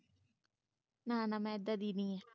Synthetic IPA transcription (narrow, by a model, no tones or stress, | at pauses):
naːnãːmɛ̃ːɪd̪ːaːd̪iːnĩːɛː